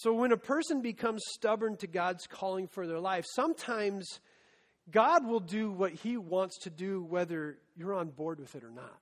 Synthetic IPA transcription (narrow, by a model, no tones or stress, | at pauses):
soʊwə̃ñɨpʰɜ˞sɨ̃nbɨkʰʌ̃mz̥stʌbə˞ntʰɨɡɑdz̥kʰɔlˠɪ̃ŋfə˞ðə˞laɪfsʌ̃mtʰãɪ̃mz̥ | ɡɑd̚wɪlˠdɨwʌt̚hiwɑ̃ntstʰɨdɨwɛðə˞ | jə˞ə̃nbɔɹd̚wɨðɨɾə˞nə̰t̚